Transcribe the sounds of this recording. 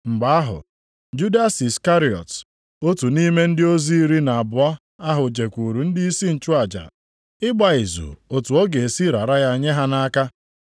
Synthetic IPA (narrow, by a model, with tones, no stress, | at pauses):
ŋ͡m̩˨ɡ͡ba˨a˦ɦʊ̰˨ | d͡ʒu˦da˦si˨ska˦ɾi˨ɔ̰˨t | o˦tu˨ni˦me˦n̩˦dɪ˦o˦zi˦i˦ɾi˦na˨a˨bʊ˨a˦ | a˦ɦʊ˨d͡ʒe˨kʷu˨ɾu˨n̩˦di˦i˦si˦n̩˨t͡ʃu˦a˨d͡ʒa̰˨ | ɪ˦ɡ͡ba˨ɪ˨zṵ˨o˨tu˨ɔ˦ɡe˨e˨si˦ɾa˨ɾa˦ja˦˨ɲe˦ɦa˦na˦ka˦